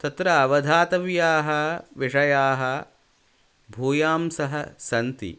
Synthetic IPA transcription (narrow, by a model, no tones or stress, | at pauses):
t̪ɐt̪ɾɐːʋɐd̪ʱaːt̪ɐʋjaːɦɐ̆ʋiʂɐjaːɦɐ | bʱuːjaːmsɐɦɐsɐnt̪ḭ